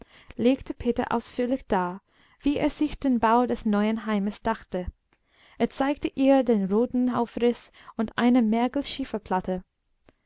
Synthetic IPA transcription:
leːktʰəpʰeːtɐ̰ʔa̰ʊsfyːɐlɪçd̥aːɐ | v̥iːʔḛːɐz̥ɪçd̥eːnbaʊdɛsnɔʏənɦaɪməsd̥axtə | ʔeːɐt͡saɪktəʔiːɐdeːnʁoːtn̩haʊfʁɪs | ʊntʔa̰ɪnəmɛɐkl̩ʃiːfɐpʰl̥atə

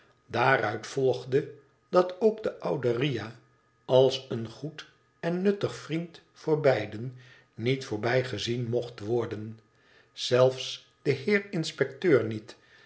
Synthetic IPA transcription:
daːrœɥtfɔlˠχdə | dɑtʰowɡdəʔʌwdərija | ɑlˠsənχut | ɛnːɵtəχfrint | fʊːɹbɛjdən | nitfʊːɹbɛjχəzinmɔχtʋɔɹdən | z̥ɛlˠfs | d̥əɦɪːɹɪnspɛk̚tøːɹnit

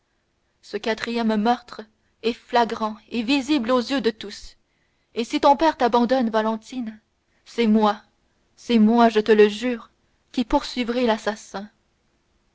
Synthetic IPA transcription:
səkʲat̪χijɛmmœʁt̪χ | ɛflaɡʁɑ̃eviziblozjød̪ət̪us | esit̪ɔ̃pɛʁt̪abɑ̃d̪ɔnvalɑ̃t̪in | sɛmwa | sɛmwaʒət̪ələʒyːʁ | kʲipuʁsɥivʁɛlasasɛ̃

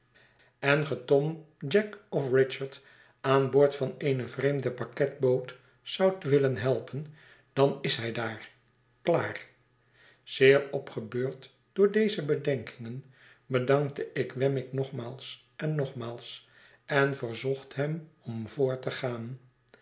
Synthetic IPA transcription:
ɛnχətɔm | d͡ʒɛkɔfrɪt͡ʃəɹt | aːnboːɹtfɑnejnəvreɪjmdəpɑkɛt̚bowt | sʌwtʋɪlənɦɛlˠpʰən | d̥ɑnɪsɦɛjdaːr | kla̰ːr | z̥ɪːɹɔpχəbøːɹt | d̥ʊːɹdejzəbədɛŋkɪŋən | bədɑŋk̚təʔɪkʋɛmɪknɔχmaːlˠs | ʔɛnːɔχmaːlˠs | ɛnvərzɔχtɦɛmɔmvʊːɹtəχaːn

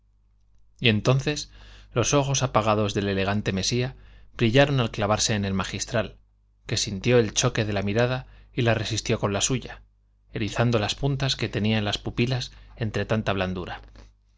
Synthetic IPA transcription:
ie̞nt̪o̞nθe̞slo̞so̞xo̞sapaɣ̞að̞o̞zðe̞le̞le̞ɣ̞ant̪e̞me̞siabɾiʎaɾo̞nalklaβ̞aɾse̞ːne̞lmaxist̪ɾal | ke̞sint̪jo̞e̞lt͡ʃo̞ke̞ðe̞lamiɾaðailare̞sist̪jo̞ko̞nlasuʝa | e̞ɾiθand̪o̞laspunt̪aske̞t̪e̞niaenlaspupilase̞nt̪ɾe̞t̪ant̪aβland̪uɾa

